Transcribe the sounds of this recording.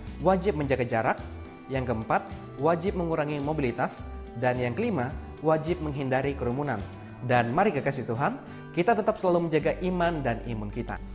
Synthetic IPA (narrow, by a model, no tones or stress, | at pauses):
wad͡ʒɪp̚məɲd͡ʒaɡad͡ʒaɾak̚ | jaŋkəəmpat̪̚ | wad͡ʒɪp̚məŋuɾaŋimobilit̪asdanjaŋkəlima | wad͡ʒɪp̚məŋɦindaɾikəɾumunan | danmaɾikəkasit̪uɦan | kit̪at̪ət̪ap̚səlaluməɲd͡ʒaɡaʔimandanḭmunkit̪a̰